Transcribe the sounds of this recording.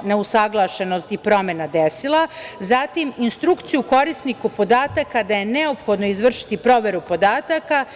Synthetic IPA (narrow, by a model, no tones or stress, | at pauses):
nausaɡlˠaʃeno̞st̪ipɾo̞menad̪esilˠazat̪iminst̪ɾukt̪sijuko̞ɾisnikupo̞d̪aːt̪akad̪aje̞neo̞pxo̞d̪no̞izʋr̩ʃi̥t̪ipɾo̞ʋe̞ɾupo̞d̪aːt̪aka